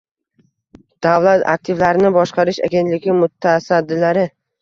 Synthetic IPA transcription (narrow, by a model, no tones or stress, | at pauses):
d̪̥avlat̪a̰k̚t̪ʰɪvlaɾɪnɪbɒʃqɑɾɪʃa̰ɡʲe̞nt̪lɪɡʲɪmʊt̪ʰːasad̪ːɪlaɾɪ